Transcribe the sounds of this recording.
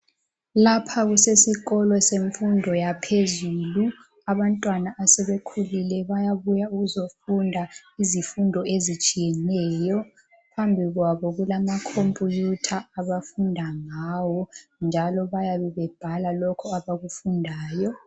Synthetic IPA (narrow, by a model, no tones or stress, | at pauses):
lapʰaɣusesiɣɔlɔseɱfundʱɔjapʰezuːlu | aβantʼwanaʔːsɛβekʰulilɛβajaβujauɣuzofundʱaizifundʱɔezit͡ʃʼijɛnɛjɔ | pʰambʱiɣwaβɔɣulamakʰompʼujutʰaːβafundʱaŋaːwɔnd͡ʒʱalɔβajaβɛβɛb̥ʱalalɔkʰɔaβaɣufundʱaːjɔ